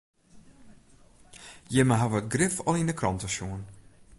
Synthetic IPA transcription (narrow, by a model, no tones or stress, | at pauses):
jɪməɦaʋət̚ɡrɪfɔlˠinəkʰrɔntəʃjuən